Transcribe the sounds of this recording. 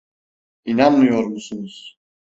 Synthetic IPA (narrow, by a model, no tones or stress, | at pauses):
inanmɯjo̞ɾmusunuz̥